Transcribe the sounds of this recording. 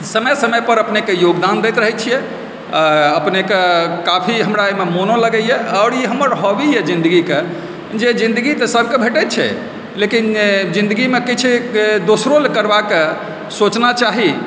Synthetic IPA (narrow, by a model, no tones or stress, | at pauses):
səməjsəməjpəɾəpnekejoɡd̪and̪ɛt̪ɾəɦɛt͡ʃʰijɛ | əpnekekapʰiɦəmɾamemonoləɡɛjɛɔːɾiɦəmːəɾɦobijɛd͡ʒĩnd̪əɡike | d͡ʒed͡ʒĩnd̪əɡit̪əsəb̚ʱkebʱeʈɛt̪t͡ʃʰɛ̰ | lekind͡ʒĩnd̪əɡimekit͡ʃʰd̪osɾolkəɾbake | sot͡ʃnat͡ʃaɦi